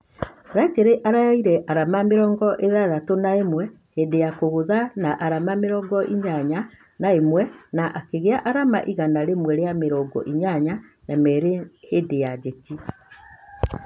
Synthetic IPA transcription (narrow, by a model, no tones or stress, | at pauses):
ɾat͡ʃeɾeʔaɾaiɾɛʔaɾamameɾɔːŋɡɔʔeðaðatonaemwɛ | hedejakoɣoðanaʔaɾamameɾɔɡɔʔiɲaɲa | naemwɛnaʔakeɣeaʔaɾamaʔiɣanaɾemwɛɾejameɾɔɡɔ̰ʔiɲaɲanamɛɾehedejad͡ʒeki